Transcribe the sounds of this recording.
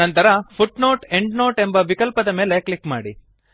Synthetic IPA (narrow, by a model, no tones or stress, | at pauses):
ɐnt̪ɐɾɐpʰuʈno̞ːʈeɳɖnoːʈe̞mbɐʋikɐlpɐd̪ɐmeːleklikmaːɽḭ